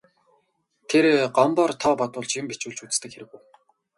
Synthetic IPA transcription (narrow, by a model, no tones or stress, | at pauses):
t̪ʰeɾɢampɔːrt̪ʰɔːpɔt̪ʊːɮt͡ɕjɪmpit͡ɕuːɮt͡ɕut͡st̪ɘ̆kxeɾɘ̆ɣŭw